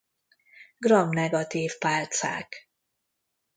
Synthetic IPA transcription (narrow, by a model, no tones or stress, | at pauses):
ɡ̥rɒmnɛɡɒt̪iːfpaːlt̪sa̰ːk